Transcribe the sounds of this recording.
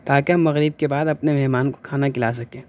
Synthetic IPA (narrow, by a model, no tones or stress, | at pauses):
t̪aːkeɦɐmːɐɣɾɪb̚kebaːd̪ɐpnemɛɦmaːnko̥kʰaːnakɪlas̬ɐkẽː